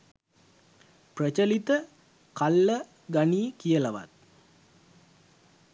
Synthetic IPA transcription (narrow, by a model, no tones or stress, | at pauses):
prət͡ʃəlit̪ə | kalːə | ɡaniːkijəlaʋa̰t̪̚